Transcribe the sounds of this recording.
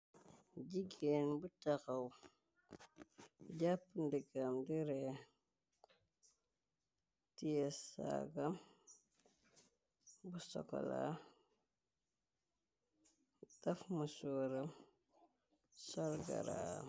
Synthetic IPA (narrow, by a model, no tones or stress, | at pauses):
ɟiɡeːnbutakɐw | ɟapːəndiɡamdiɾɛ | tijɛsa̰ɡɐm | busɔ̰kɔ̰la̰ | dɐfmusuɾɐm | sɔlɡɐ̰ɾa̰